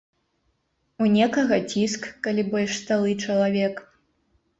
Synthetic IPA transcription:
unʲɛkɐɣɐt͡sʲiskːalʲibɔlʲʂst̪alˠɨt͡ʂɐlˠavʲɛk

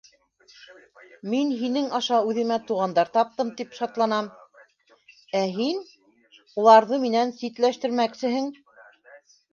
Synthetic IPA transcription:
minɦinɘŋɑʃɑʉðɘ̆mæt̪uʁɑnd̪ɑɾt̪ɑp̚t̪ɤmt̪ipʃɑt̪lˠɑnɑm | æɦin | ulˠɑɾðɤminænsit̪læʃt̪ɘ̆ɾmæksɘ̆ɦɘŋ

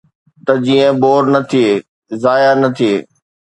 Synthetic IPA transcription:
t̪ɐd͡ʑiːə̃boːɾnɐt̪ʰieː | zaːjanɐt̪ʰieː

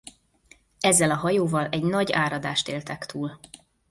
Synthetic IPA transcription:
ɛzːɛlɒɦɒjoːvɒlɛɟnɒɟaːɾɒd̪aːʃt̪eːlt̪ɛkt̪ʰuːl

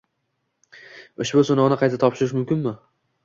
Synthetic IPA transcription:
ʊʃbʊsʊnɒʁnɪqʰɑjt̪ʰat̪ʰɒpʃɪɾɪʃmʊmkʲɪnmɪ

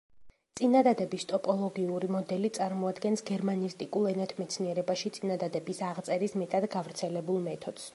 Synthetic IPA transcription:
t̪sʼinad̪ad̪ɛbist̪ʼɔpʼɔlˠɔɡiuɾimɔd̪ɛlit̪sʼaɾmɔad̪ɡɛnsɡɛɾmanist̪ʼikʼulˠɛnat̪ʰmɛt̪sʰniɛɾɛbaʃit̪sʼinad̪ad̪ɛbisaʁt̪sʼɛɾismɛt̪ʼad̪ɡavɾt̪sʰɛlɛbulˠmɛt̪ʰɔd̪̥s

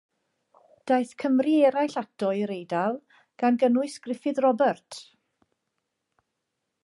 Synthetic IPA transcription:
d̥ajθkʰəmriɛɾajɬatɔɨɾejdalˠ | ɡ̥anɡənʊɨskrɪfɨðrɔbərtʰ

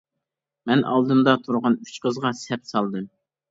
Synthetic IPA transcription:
mɛnɑ̰lˠd̪ɨmd̪ɑt̪ʰuɾʁɑny̥t͡ʃqəzʁɑsɛp̚sɑlˠd̪ɨm

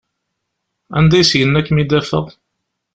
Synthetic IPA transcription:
ænd̪æjsjənːækːmid̪æfə̰ðˤ

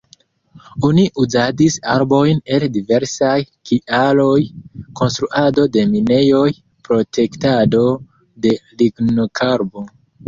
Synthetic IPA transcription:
oniʔuzadisa̰ɾbo̞jne̞ldive̞ɾsaj | kiʔalo̞jko̞nstɾuʔado̞de̞mine̞jo̞j | pɾo̞tʰe̞ktado̞ | de̞liɡnokʰaɾbo̞

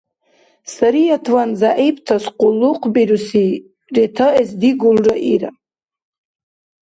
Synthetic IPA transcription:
saɾijatʰwanzaʔiptʰasqʷʼʊlːuqʰʼbiɾusi | retʰaʔesd̪iɡulraʔiɾa̰

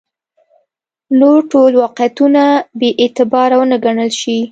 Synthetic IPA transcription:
noɾʈolwɑqjat̪unabeʔet̪ɪbɑɾawənaɡaɳəlʃi

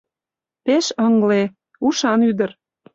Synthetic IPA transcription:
peʃɤŋle | uʃɑnyd̪ə̆r

